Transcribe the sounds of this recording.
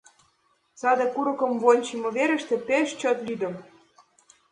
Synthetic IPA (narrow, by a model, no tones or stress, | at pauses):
sɑd̪ĕkuɾɤ̆kɤ̆mvonʲt͡ɕimɤ̆βeɾə̆ʃt̪ĕpeʃt͡ɕɤt̪lyd̪ə̆m